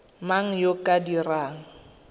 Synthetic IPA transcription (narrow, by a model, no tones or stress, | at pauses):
maŋ̩jokʼadiraːŋ̩